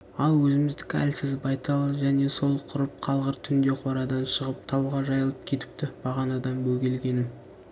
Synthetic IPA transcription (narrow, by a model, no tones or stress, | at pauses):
ɑlˠwɵzɪmɪzd̪ɪkʲæ̰lsɪzbɑjt̪ɑlˠʒæne̞so̞lˠqʰʊɾəp̚qʰɑlˠʁəɾt̪ʰʏnd̪e̞qʰoɾɑd̪ɑnʃəʁəp̚t̪ʰɑwʁɑʒɑjəlˠəp̚kʲʰe̞t̪ɪ̥p̚t̪ɪb̥ɑʁɑnɑd̪ɑnbɵɡʲe̞lɡʲe̞nɪm